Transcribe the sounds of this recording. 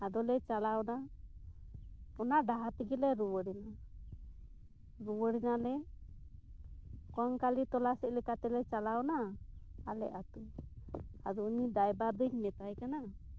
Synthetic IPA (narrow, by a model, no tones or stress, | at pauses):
ad̪ɔlɛt͡ʃalawɔna | ɔnaɖaɦat̪iɡilɛɾuwəɽina | ɾuwəɽinalɛ | kɔŋkalit̪ɔlasɛʔ̚lɛkat̪ɛlɛt͡ʃalawnaː | lɛ̰ʔat̪u | ad̪ɔnid̪ajbaɾd̪əɲmɛt̪ajkana